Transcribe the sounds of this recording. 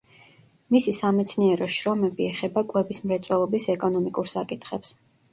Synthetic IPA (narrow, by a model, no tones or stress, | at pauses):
misisamɛt̪sʰniɛɾɔʃɾɔmɛbiɛχɛbakʼwɛbismɾɛt̪sʼwɛlˠɔbisɛkʼɔnɔmikʼuɾsakʼit̪ʰχɛps